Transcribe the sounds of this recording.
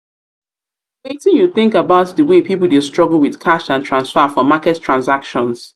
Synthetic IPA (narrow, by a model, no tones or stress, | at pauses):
wetɪ̃njuθɪ̃ŋkabaʊtðəwepʰipl̩ˠdɪstɹ̥ɔɡl̩ˠwɪð̥kʰaʃãntʰɹãnsfɛfɔmakɛttʰːɹãnsakʃɔ̃ns